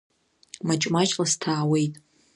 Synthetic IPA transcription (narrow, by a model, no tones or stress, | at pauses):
mat͡ʃʼmat͡ʃʼlastʰaːwe̞jtʼ